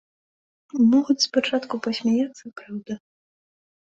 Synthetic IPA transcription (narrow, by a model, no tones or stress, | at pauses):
mɔɣut͡sʲspat͡ʂat̪kupɐsʲmʲajat̪sːɐpɾawd̪ɐ